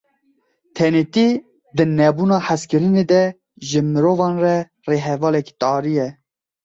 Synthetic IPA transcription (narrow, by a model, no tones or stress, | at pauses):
t̪ʰɛnet̪i | d̪ɨnɛbuːnɑːħaskɨɾɨned̪ɛ | ʒɨmɨɾoːvɑːnrɛ | reːɦɛvɑːlɛki̥t̪ɑːɾijɛ